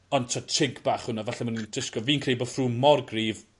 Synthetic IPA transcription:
ɔntʰɔtʰɪɡbaχhʊnavaɬɛmanindɪskɔviːnkʰrejbɔfruːmɔrɡriːv

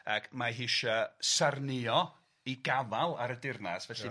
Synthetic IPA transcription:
akʰmaɦiʃasarnɪɔ | iɡavalˠaɾədɪrnasvɛɬi

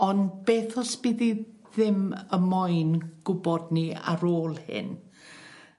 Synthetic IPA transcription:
ɔnb̥eːθɔsb̥iði | ðɪməmɔjnɡ̥ʊbɔdnia̰ɾoːlˠhɪ̰n

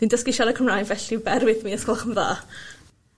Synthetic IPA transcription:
d̥indəskɪʃaɾəkʰəmrajnvɛɬibɛrwɪθmiːəskɔlˠχəmða̰ː

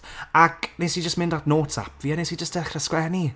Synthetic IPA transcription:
aknesid͡ʒəstmɪ̃ndatnoːtsa̰pʰviːanesid͡ʒəstd̥ɛχrəskwɛni

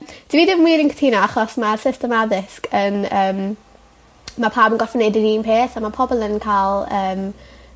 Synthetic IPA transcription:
d̥iviːdɪmmwiːɾɪnŋkʰə̥tʰiːnɔaχɔsmasɪstəmaðɪskənəːm | mapʰaːbənɡɔfənɛdɪɾiːnpʰeːθamapʰɔbɔlˠənkʰaːlˠəːm

